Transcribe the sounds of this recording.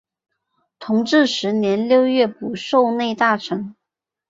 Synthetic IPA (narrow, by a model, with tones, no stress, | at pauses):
t̪ʰʊ˧˥ŋʈ͡ʂɻ̩˥˩ʂɻ̩˧˥njɛ˧˥nljo˥˧ʊɥɛ˥˩pu˨˩ʂo˥˧ʊne˥˧ɪt̪a˥˩ʈ͡ʂʰɤ˧˥ŋ